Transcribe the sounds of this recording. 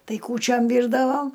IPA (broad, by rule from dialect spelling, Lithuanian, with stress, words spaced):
ˈtɐɪ kuːˈt͡ʃʲoːm ˈʋʲiːrdɐʋoː